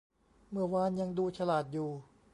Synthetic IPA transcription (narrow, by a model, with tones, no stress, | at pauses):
mɯ˧˩ɐwaː˧˥nja˧ŋduː˧t͡ɕʰa˧laː˨˩t̪̚juː˨˩